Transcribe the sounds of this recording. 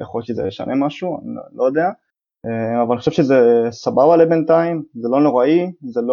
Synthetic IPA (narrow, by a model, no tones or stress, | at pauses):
jḛχojot̪ʃezḛleʃa̰nʔe̞maʃua̰nḭlojod̪ea | eavalalniχoʃeʃezesababalebent̪aimzelo̞no̞ʁaizelo